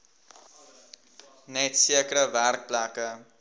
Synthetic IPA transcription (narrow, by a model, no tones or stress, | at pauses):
nɛtsiəkəɾəværk̚plækə